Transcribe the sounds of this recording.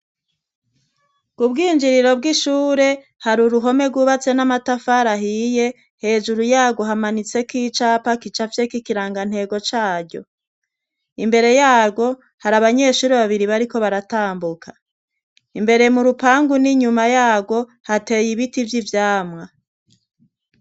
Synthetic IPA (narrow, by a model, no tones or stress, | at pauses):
kubɡiːnd͡ʒiɾiɾo̞b̚ɡiʃuːɾe̞ | haɾuɾuɦo̞me̞ɡwuβat͡se̞namatafaɾaɦije | he̞ːd͡ʒuɾujaːɡo̞ɦamanit͡se̞kiːt͡ʃapakit͡ʃafjekikiɾaːŋɡan̥he̞ːɡo̞t͡ʃaːɾɟo̞ | imbe̞ɾe̞jaːbɡo̞ | haɾaβaɲe̞ʃuːɾeβaβiɾiβaɾiko̞βaɾataːmbukʰa | imbe̞ɾe̞muɾupaːŋɡuniɲumajaːbɡo̞ | hate̞jiβitivjivjaːmŋa